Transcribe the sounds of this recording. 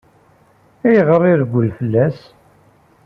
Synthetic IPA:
æjʁərˤɪðɡʷːəlfəlːæs

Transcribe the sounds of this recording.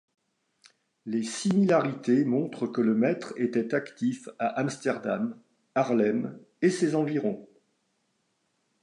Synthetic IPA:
lesimilaʁit̪emɔ̃t̪χəkələmɛt̪χet̪ɛt̪akt̪ifaʔamst̪ɛʁd̪am | aʁlɛm | esezɑ̃viʁɔ̃

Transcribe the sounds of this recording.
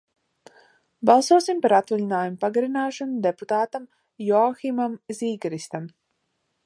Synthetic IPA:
bɑlˠsuɔsimpaɾat̪valinaːjumupaɡaɾinaːʃanud̪eput̪aːt̪am | jɔaximamziːɡaɾist̪am

